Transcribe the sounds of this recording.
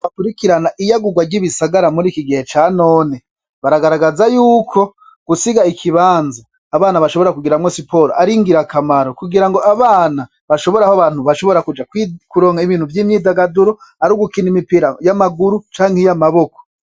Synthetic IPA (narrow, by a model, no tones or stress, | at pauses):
βakuɾikiɾanaʔijaɡuɡwaɾɟiβisaɡaɾamuɾiːkiɡihe̞t͡ʃaːno̞ːne | βaɾaɡaɾaɡazajuːkʰo̞ | ɡ̥usiɡaikʰiβaːnzaː | βaːnaβaʃoβoeɾakuɡiɾamŋosipʰo̞ɾoʔaɾiŋɡiɾakamaɾokuɡiɾaŋɡo̞ʔaβaːna | βaʃo̞βo̞ɾahoaβaːn̥huβaʃo̞βo̞ɾakud͡ʒakwikuɾo̞ːŋaiβiːn̥huvjiːmɲiːdaɡaduɾoaɾuɡukinimipiɾajamaɡuɾut͡ʃaːŋhejamaβo̞ko̥